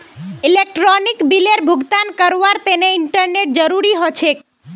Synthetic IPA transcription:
ilek̚ʈɾɔnikbileɾbʱuɡt̪ankəɾʋaɾt̪eneɪɳʈəɾneʈ̚d͡ʒəɾuɾiɦot͡ʃʰe

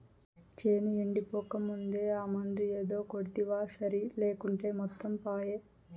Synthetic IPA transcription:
t͡ʃeːnieɳɖipɔːkɐmːund̪e̞ːaːmɐnd̪ue̞ːd̪o̞ːkoɽit̪iʋaːsɐɾileːkuɳʈe̞ːmɔt̪ːɐmpaːjeː

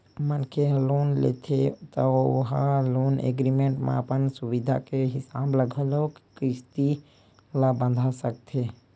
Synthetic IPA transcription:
mənkʰeloːnlḛt̪ʰet̪əʊ̰ɦaloːnḛɡɾimẽːɳʈmḛ̃əpənsuʋid̪ʱa̰keɦɪsaːbləɡʱəlokkɾɪst̪i | labə̃nd̪ʱasəkt̪ʰe

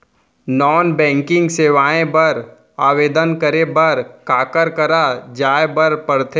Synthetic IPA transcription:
nɔːnbɛ̃ːŋkɪ̃ŋɡseːʋaːẽbɐɾ | aːʋeːd̪ənkəɾebɐɾkaːkəɾkɐɾad͡ʒaːebɐɾpɐɾt̪ʰe

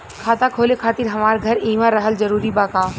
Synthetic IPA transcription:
kʰaːt̪akʰoːlekʰaːt̪iɾɦɐmaːɾɡʱɐɾĩːʋaɾəɦəld͡ʒɐɾuːɾibaːkaː

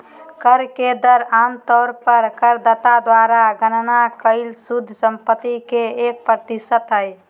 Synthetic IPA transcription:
kəɾked̪əɾamt̪ɔːɾpəɾkəɾd̪ət̪ad̪waɾaɡənnakəɪlsud̪ʱsəmpət̪ːikeek̚pɾət̪isət̪ɦəj

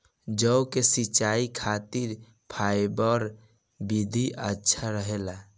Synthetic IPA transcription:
d͡ʒəʊkesit͡ʃaikʰat̪iɾ | pʰaɪbəɾ | bid̪ʱiʔətːʃʰaɾəɦela

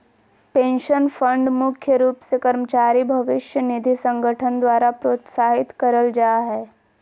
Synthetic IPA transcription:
pẽːnʃənfə̃ɳɖmʊkʰjəɾuːpsekɐɾmət͡ʃaːɾibʱɐʋɪʃjənɪd̪ʱisə̃ŋɡʱəʈʰənd̪waːɾapɾoːt̪saːɦɪt̪kɐɾəld͡ʒaːɦɛː

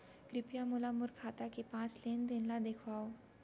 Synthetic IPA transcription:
kɾɪpjamulamuɾkʰat̪akepãt͡slend̪enlad̪ekʰʋao

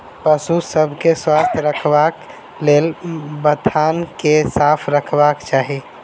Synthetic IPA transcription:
pəsusəbʱkeswast̪ʰjəɾəkʰbak | lelbəd̪ʱankesapʰɾəkʰbakt͡ʃaːɦi

